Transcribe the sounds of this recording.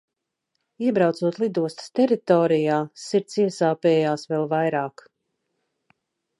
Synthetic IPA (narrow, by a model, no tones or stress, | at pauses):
iɛbɾawt̪suɔt̪lˠid̪uɔst̪st̪ɛɾit̪ɔːɾijaːsiɾt̪siɛsaːpɛɛjaːsvɛlˠvajɾaːk